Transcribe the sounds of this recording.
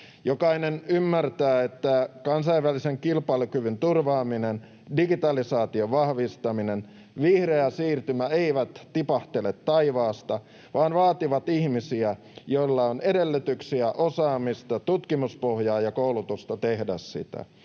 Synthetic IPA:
jokɑinenymːært̪æːet̪ːækɑnsɑiʋʋæliseŋkilpɑlukyʋynt̪urʋɑːminen | diɡit̪ɑlisɑːt̪ioʋʋɑhʋist̪ɑminen | ʋihreæsiːrt̪ymæeiʋæt̪t̪ipɑht̪elet̪tɑiʋɑːst̪ɑ | ʋɑːnʋɑːt̪iʋɑt̪ihmisiæ | joilːɑonedelːyt̪yksiæʔosɑːmist̪ɑt̪ut̪kimuspohjɑːjɑkoulut̪ust̪ɑt̪ehdæssḭt̪æ̰

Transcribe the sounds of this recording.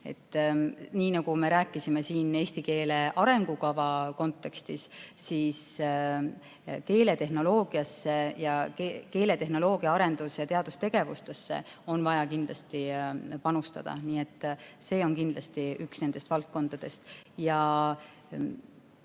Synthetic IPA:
e̞̰t̪ːˑniːnɑɡ̥ume̞ɾæːkːˑisime̞siːneːst̪ike̞ːle̞ʔɑɾe̞ŋɡ̥ukɑvɑko̞nt̪ːˑe̞kst̪issiːs | ke̞ːle̞t̪e̞ɦno̞lo̞ːɡ̥iɑsːe̞jɑkeke̞ːle̞t̪e̞ɦno̞lo̞ːɡ̥iɑɑɾe̞nd̪̥usjɑt̪e̞ɑd̪̥ust̪e̞ɡ̥e̞vust̪e̞sːe̞̰o̞nvɑjɑkind̪lɑ̰st̪ipɑnust̪ɑ̰d̪̥ɑ̰niːe̞t̪ˑːse̞ːo̞nkind̪lɑst̪iyksne̞nd̪e̞st̪vɑlt̪̚ko̞nd̪̥ɑd̪̥e̞st̪jɑ

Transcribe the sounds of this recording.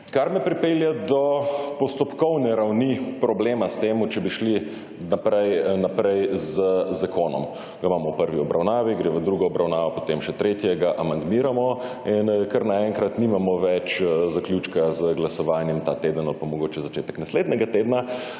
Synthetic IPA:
kaɾmɛpɾipeljad̪ɔpɔst̪ɔpkɔwnɛɾawnipɾɔbleːmast̪eːmut͡ʃɛbiʃli | napɾɛjnapɾɛjzəzakoːnɔ̰m | ɡamaːmɔwpəɾʋiɔbɾʔawnaːʋiɡɾeːʋəd̪ɾuɡɔɔbɾʔawnaːʋɔpo̥t̪emʃɛt̪ɾet̪jɛɡaʔamand̪miːɾamɔ | inkaɾnaɛŋkɾat̪nimamɔʋɛt͡ʃzaklʲjuːt͡ʃkazəɡlasɔʋaːnjɛmt̪at̪ed̪ənalpamɔɡoːt͡ʃɛzat͡ʃet̪ɛknasleːd̪nɛɡat̪eːd̪na

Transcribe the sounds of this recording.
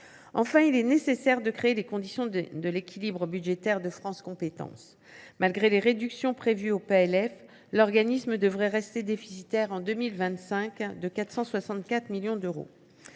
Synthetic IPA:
ɑ̃fɛ̃ilɛnesesɛʁd̪əkχeːlekɔ̃d̪isjɔ̃d̪əlekʲilibʁəbyd̪ʒet̪ɛʁd̪əfχɑ̃skɔ̃pet̪ɑ̰̃s | malɡʁeleʁed̪yksjɔ̃pχevyopeɛlɛf | lɔʁɡanisməd̪əvʁɛʁɛst̪ed̪efi̥sit̪ɛʁɑ̃d̪ømilvɛ̃t̪sɛ̃kd̪əkat̪χsɑ̃swasɑ̃t̪kat̪χmiljɔ̃d̪øʁo̰

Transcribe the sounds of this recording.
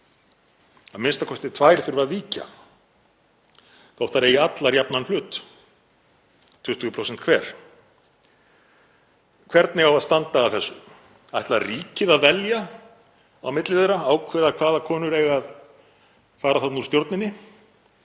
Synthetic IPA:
aðmɪnst̪akʰɔst̪ɪt̪ʰvaːjɾθʏɾvɾaðviːca̰ | θawht̪ːaɾeːjɪat̪laɾjapnanl̥ʏːt̪ | ʏt̪ʰʏɣʏpʰɾowsɛn̥t̪̚kʰvɛːɾ̥ | kʰvɛɾt̪nɪɣawaðst̪ant̪aːvθɛsːʏ | ajht̪lariːcɪðaðvɛlja | a̰wmɪt̪lɪðejɾaaːwkʰvɛːðakʰvaːðakʰɔːnʏɾejɣað | faːɾaθat̪nu̥st̪jowɾt̪nɪnːɪ

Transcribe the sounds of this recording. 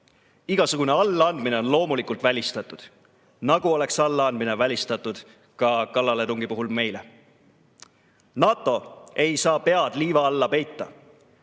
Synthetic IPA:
iɡ̥ɑsuɡ̥une̞ɑlːɑɑnd̪̥mine̞o̞nlo̞ːmulikult̪ˑvælʲist̪ɑt̪ːˑud̪̥ | nɑɡ̥uo̞le̞ksɑlːɑɑnd̪mine̞vælʲist̪ɑt̪ːˑud̪̥ | kɑkɑlːɑled̪uŋɡipuɦulme̞jle̞ | nɑːt̪ːˑo̞e̞jsɑːpe̞ɑd̪̥liːvɑɑlːɑpe̞jt̪ːɑ

